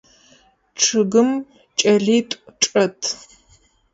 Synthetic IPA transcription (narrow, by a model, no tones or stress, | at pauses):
ʈ͡ʂʰɨɡɨm | t͡ʃʼɐɮiːtʷʼʈ͡ʂʼɐtʰ